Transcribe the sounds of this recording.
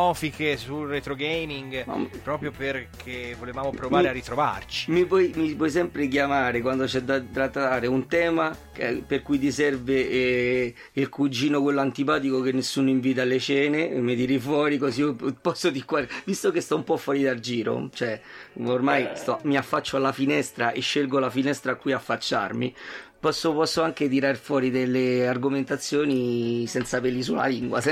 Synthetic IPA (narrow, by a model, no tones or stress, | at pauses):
ɔfikesulret̪ɾoɡejmiŋɡma̰pɾɔːpɾjoperkʰevolevaːmopɾovaːɾearːit̪ɾova̰rt͡ʃi̥mivwɔjmipwɔjs̬ɛmpɾek̬jamaːɾekwand̪ot͡ʃɛd̪at̪ːɾat̪ːaːɾeunt̪ɛːma | perkujt̪̬isɛrve | ilkud͡ʒiːnokwelːoant̪ipaːt̪̬ikokenːesːuːnoiɱviːt̪̬alet͡ʃɛːnemed̪iɾifwɔːɾikosiopɔsːot̪ikːwaɾvist̪okest̪ɔumpɔfːwɔːɾid̪ald͡ʒiːɾo̰t͡ʃoɛormajst̪ɔmiafːat͡ʃːoalːafinɛst̪ɾaʔeʃːelɡolafinɛst̪ɾaːkːiafːat͡ʃːa̰rmipɔsːopɔsːoaŋket̪̬iɾarfwɔːɾid̪elːearɡoment̪at̪sːjoːnisɛnt̪sapelːis̬ula̰liŋɡwa̰s